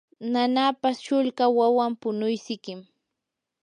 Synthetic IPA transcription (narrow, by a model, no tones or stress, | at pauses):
nanapasʃʊʎɢawawampʊnʊjsɪkɪm